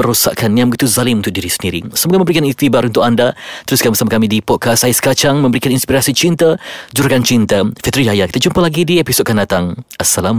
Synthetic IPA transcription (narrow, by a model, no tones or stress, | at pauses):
əɾusa̰ʔkʰanːiaməɡit̪uzalimunt̪ʊk̚diɾisəndiɾḭsəmoɡamə̃mbɾikanist̪ibaɾunt̪ʊkandat̪əɾuskanbəsamakamidipɔt̪̚kʰasaiskat͡ʃaŋmə̃mbəɾikaninspiɾasit͡ʃint̪ad͡ʒuɾkant͡ʃint̪afɛt̪ɾiajakit̪ət͡ʃumpəlaɡidiepisɔʔ̚kandat̪aŋasalam